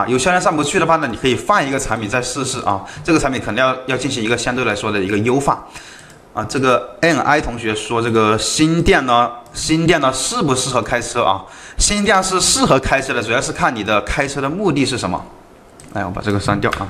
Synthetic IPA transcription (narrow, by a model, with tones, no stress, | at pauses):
jo˧˩ʊɕj̪jɛ˥˧nʂ̬a˥˩mpu˧˥t͡ɕʰy˥˩d̪ə˩xa˥˩nə˧˩ni˨˩kʰɤ˧˥i˨˩fa˥˩ni˧˥ɡə˧t͡sʰa˧˥npʰi˨˩nt͡sa˥˧ɪʂɻ̩˥˧ʂɻ̩˥˩ʔɐ̰˥˩ʈ͡ʂɤ˥˩ɡə˩˧˥mpi˧˥ŋkʰɤ˨˩nɤ˧˥ŋjɑ˥˧ʊjɑ˥˧ʊt͡ɕi˥˩nɕ̬i˧˥ŋi˧˥ɡə˧ɕjɑ˥ŋt̪wɪla˧˥ɪʂwɔ˥d̪ə˨i˧˥ɡə˧jo˥ʊfa̰˥˩ | ɐ̰˧˩ʈ͡ʂɤ˥˩ɡə˩ɛ˥˩nʔa̰˥ɪt̪ʰʊ˧˥ŋɕɥɛ˧˥ʂwɔ˥ʈ͡ʂɤ˥˩ɡə˩ɕi˥nt̪jɛ˥˩nnə˩ɕi˥nt̪jɛ˥˩nə˩ʂɻ̩˥˩pu˧˥ʂɻ̩˥˩xɤ˧˥kʰa˥ɪʈ͡ʂʰɤ˥ʔɐ̰˧˩ | ɕi˥nt̪jɛ˥˩nʂɻ̩˥˧ʂɻ̩˥˩xɤ˧˥kʰa˥ɪʈ͡ʂʰɤ˥d̪ə˨˩u˨˩jɑ˥˧ʂɻ̩˥˧kʰa˥˩nni˨˩d̪ə˦kʰa˥ɪʈ͡ʂʰɤ˥ɾə˨mu˥˧t̪i˥˧ʂɻ̩˥˩ə̰˧˥nmə̰˧ | a̰˥˩ɔ˧˥pa̰˨˩ʈ͡ʂɤ˥˩ə˩ʂa˥nt̪jɑ˥˩ʊʔɐ̰˩